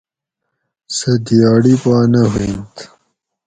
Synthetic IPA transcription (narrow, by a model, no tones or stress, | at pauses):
sɐd̪ijaːɽipaːnɐɦuint̪